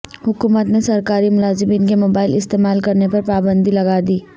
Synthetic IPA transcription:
hʊkuːmət̪nesɐɾkaːɾimʊlaːzɪmiːnkemoːbaːɪlɪst̪eːmaːlkɐɾnepɐɾpaːbə̃nd̪ilɐɡaːd̪iː

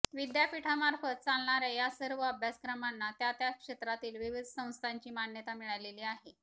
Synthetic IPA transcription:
ʋid̪japiʈʰamaɾfət̪̚t͡salɳaɾejasəɾʋəəbʱjaskɾəmanːat̪jat̪jakʂet̪ɾat̪iːlʋiʋid̪ʱsə̃w̃st̪ʰaɲt͡ɕiːmanjət̪amiɭajleliːaɦe

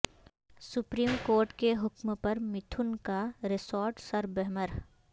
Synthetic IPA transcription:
sʊpɾiːmkoːɾʈkeɦʊkmpɐɾmɪt̪ʰʊnkaɾɪsɔːɾʈsɐɾbɛɦməɾ

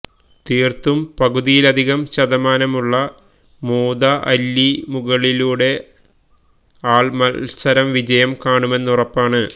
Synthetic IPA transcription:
t̪iːrt̪umpɐɣuðijilɐd̪ʱiɣɐmɕɐðɐmaːnɐmuɭːɐ | moːd̪ɐʔɐlːimuɣɐɭiluːɽe̞ | aːɭmɐsɐɾɐmʋid͡ʑɐjɐmkaːɳume̞nːurɐpːaːɳɨ

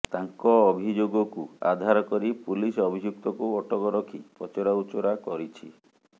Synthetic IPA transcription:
t̪aŋkɔːbʱid͡ʒoɡɔkua̰d̪ʱaɾɔkɔɾipulisɔbʱid͡ʒuk̚t̪ɔkuɔʈʰɔkɔɾɔkʰipɔt͡ʃɔɾaut͡ʃɔɾakɔɾit͡ʃʰi

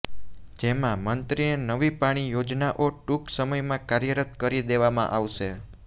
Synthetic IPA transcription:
d͡ʒemãmənt̪ɾinenəʋipaɽ̃ijod͡ʒnaʔoʈuksəməjmãkaɾjəɾət̪kəɾid̪eʋamã̰ʔaʋʃe

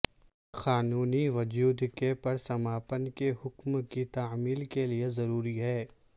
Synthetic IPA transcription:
xaːnuːniʋʊd͡ʒuːd̪kepɐɾsɐmaːpənkeɦʊkmkit̪aːmiːlkeliezɐɾuːɾiɦɛː

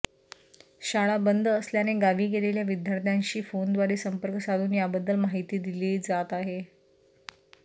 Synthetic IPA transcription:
ɕaɭ̃abənd̪ʱəəsljaneɡaʋiːɡeleljaʋid̪ʱjaɾt̪ʰjãɲɕiːfond̪ʋaɾeːsəmpəɾkəsaluːnjabəd̪ːəlmaɦit̪iːd̪iled͡zat̪aɦe

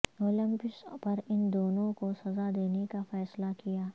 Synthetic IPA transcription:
oːlɪ̃mpɪspɐɾɪnd̪oːnõkosɐzad̪eːnekafɛːslakijaː

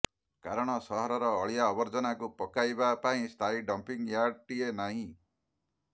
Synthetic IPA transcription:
kaɾɔɽ̃ɔsɔɦɔɾɔɾɔːɭijaːbɔɾd͡ʒɔnakupɔkajbapaĩst̪ʰaiɖʌmpiŋjaɖ̚ʈienaɦĩ

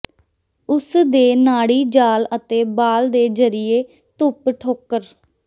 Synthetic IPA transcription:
ʊsd̪eːnaːɽiːd͡ʒaːlət̪eːbaːld̪eːd͡ʒəɾɪjeː | t̪ʊpʈʰoːkːəɾ

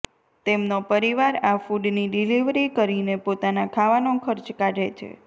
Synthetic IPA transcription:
t̪emnopəɾiʋaɾafuɖniɖiliʋɾikəɾinepot̪anakʰaʋanokʰəɾt͡ʃkaʈet͡ʃʰḛ

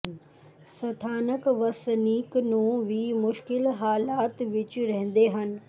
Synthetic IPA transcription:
sɐt̪ʰaːnəkʋɐsniːknũːʋimʊʃkɪlɦaːlaːt̪ʋɪt͡ʃɾɐɦə̃n̆d̪eɦən̆

